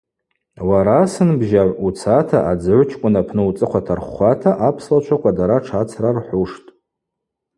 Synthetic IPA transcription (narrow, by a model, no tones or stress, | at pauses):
waɾasɨnbʒaʕʷut͡sʰatʰaʔad͡zɨʕʷʊt͡ʃʰkʷʼʊnapʰnɨut͡sʼɨqʷatʰarχʷatʰaʔapʰslat͡ʃʷʰakʷʰadaɾaʈ͡ʂʰat͡sʰrarħʷuʂtʼ